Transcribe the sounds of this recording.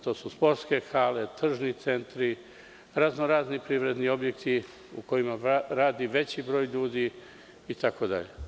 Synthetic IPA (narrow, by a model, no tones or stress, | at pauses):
t̪o̞ːsuspo̞ɾt̪ske̞xaːle̞t̪r̩ʒnit̪se̞nt̪ɾi | ɾaznoɾaːznipɾiʋɾe̞d̪nio̞bje̞kt̪i | ṵko̞jimaɾaːd̪iʋe̞t͡ɕibɾo̞ːjʎuːd̪i | it̪ako̞d̪a̰ʎḛ